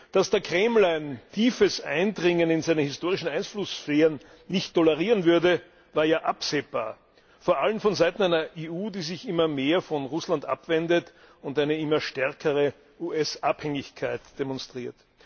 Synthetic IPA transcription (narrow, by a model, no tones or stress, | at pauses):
d̥asd̥eɐkʁ̥ɛml̩aɪntʰiːfəsʔa̰ɪndʁɪŋənɪnzæɪnənhɪstoːʁɪʃn̩aɪnflʊsfɛːʁən | nɪçtʰːɔləʁiːʁənvʏɐdə | vaːɐjaːʔapz̥eːb̥a̰ːɐ | foɐʔalənfɔnzaɪtn̩æɪnɐʔeːuːdiːzɪçɪmɐmeːɐfɔnʁʊslandʔa̰pv̥ɛndət | ʊntæɪnəɪmɐʃtɛɐkʰəʁə | ʔuʔɛsʔaphɛŋɪçkʰaɪtd̥emɔ̃nstʁ̥iːɐt